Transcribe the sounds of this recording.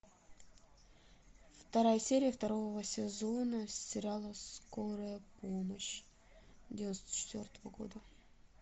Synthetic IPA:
ft̪ɐɾajəsʲeɾʲɪjəft̪ɐɾovəsʲɪzo̞nəsʲtʲɪɾʲalˠəskoɾəjəpoməɕ | d̪ʲvʲɪnost̪ə̥t͡ɕɪ̥t̪vʲort̪əvəɡo̰d̪ə

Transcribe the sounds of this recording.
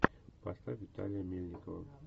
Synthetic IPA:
past̪avit̪a̰lʲijamilnʲiko

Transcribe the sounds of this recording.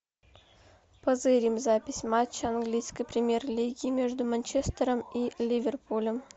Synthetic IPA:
pəzɨɾʲimzapʲɪsʲmat͡ɕːəɐnɡlʲijsʲkəjpɾʲɪmʲerlʲiɡʲiːmʲe̞ʐd̪ʊmɐnʲt͡ɕest̪əɾəmilʲivʲerpulʲəm

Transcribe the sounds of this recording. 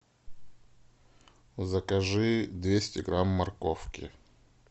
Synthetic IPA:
zəkɐʐɨd̪vʲesʲtʲɪɡɾamːɐrkofkʲɪ̰

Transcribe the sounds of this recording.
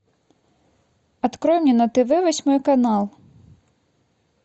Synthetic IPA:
ɐt̪kɾɔjmnʲɛnɐt̪eʋɛʋɔsʲmɔjkɐnɑlˠ

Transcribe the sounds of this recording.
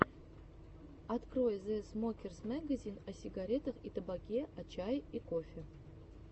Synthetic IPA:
ɑt̪krojzɛsmokʲersmʲaɡazʲinɑsʲiɡaɾʲet̪əχit̪əbɑkʲeɐt͡ɕɑjikofʲɪ

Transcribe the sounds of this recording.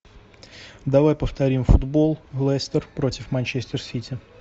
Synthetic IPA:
d̪ɐvajpəft̪ɐɾʲimfʊd̪bo̞lˠvlˠɛsʲt̪ərpɾo̞tʲɪfmanʲt͡ɕesʲt̪ʲɪrsʲitʲɪ

